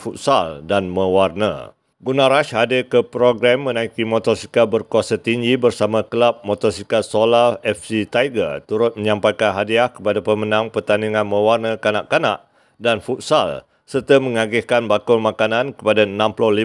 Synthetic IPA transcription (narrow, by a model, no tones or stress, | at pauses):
fut̪̚saldanmə̃warnə̰ | ɡunãɾaʃhadɪkəpɾoɡɾamːə̃nãikimɔt̪ɔrsikabərkuasat̪iɲd͡ʒibərsamãkəlap̚mɔt̪ɔrsikasolaɛfsit̪ajɡə̰t̪uɾʊt̪̚mə̃ɲãmpajkanɦadiahkə̥padapəmənãŋpərt̪aniŋãnmə̃warnəkanaʔkana̰ʔ | danfut̪̚sa̰l | sərt̪əmə̃ŋaɡɪhkanbakʊlmãkanãnkə̥padaənãmpulɔhli